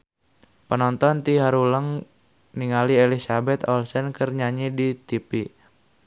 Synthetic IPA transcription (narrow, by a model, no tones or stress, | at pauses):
pənɔnt̪ɔnt̪iɦaɾuləŋ | niŋalielisabɛt̪ɔlsənkərɲaɲidit̪ipi